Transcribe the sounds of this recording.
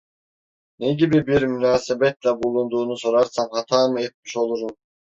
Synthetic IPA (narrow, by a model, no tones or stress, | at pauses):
neɡʲibibiɾmynaːsebet̪labulˠund̪uːnusoɾɑɾsɑmhɑt̪ʰɑːmɯet̪̚miʃo̞lˠuɾun